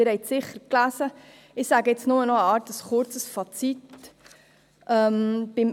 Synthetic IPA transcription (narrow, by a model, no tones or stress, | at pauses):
ɪɾhɛɪtsɪχəɾklæːsə | ɪχsæːɡəɛt͡snʊmənɔəɑːrtəsχʊɾt͡səsfɑt͡sit | ʔœmb̥ɪm